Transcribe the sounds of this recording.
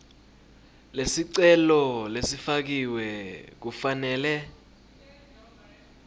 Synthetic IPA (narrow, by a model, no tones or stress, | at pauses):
lesiǀɛlɔlesifak̬iwɛk̬ufanɛːlɛ